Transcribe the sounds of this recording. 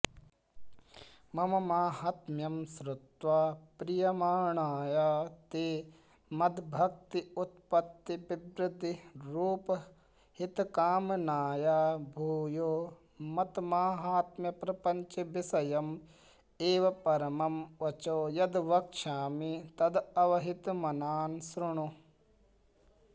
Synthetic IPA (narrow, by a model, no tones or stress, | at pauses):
mɐmɐmaːɦaːt̪mjɐmsɾʊt̪ʋaːpɾijɐmaːɳaːjaːt̪eː | mɐd̪bʱɐk̚t̪iut̪̚pɐt̪ːibɪbɾɪd̪ʱːiɾuːpɐ | hit̪kaːmnaːjaːbʱuːjoː | mɐt̪maːɦaːt̪mɐpɾɐpɐɲt͡ʃɐʋɪsɐjɐm | eːʋɐpɐɾɐmɐmʋɐt͡ʃoːjɐd̪ʋɐkʃaːmit̪ɐd̪ɐʋɐɦɪt̪mɐnaːnsɾʊɳ̃u